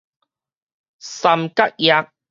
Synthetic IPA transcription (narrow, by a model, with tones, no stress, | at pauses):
sɐ˨mka˦k̚ja˧k̚